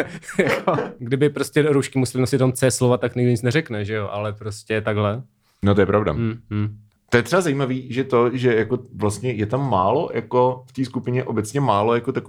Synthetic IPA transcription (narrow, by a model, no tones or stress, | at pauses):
jakoɡdɪbɪpɾoscɛɾuʃkɪmusɛlɪnosɪt̪omt͡sɛːslovat̪ːakɲɪɡdɪɲɪt͡snɛrɛknɛʒɛjo̞ʔalɛpɾoscʲɛt̪aɡɦlɛ | not̪ojɛpɾavda̰m̩ː | t̪ojɛt̪rɛbazaiːmaviːʒɛt̪oʒɛjakovlast̪ɲɛjɛt̪amːaːlojʔakoft̪iːskupɪɲɛʔobɛt͡sɲɛmaːlojakot̪ak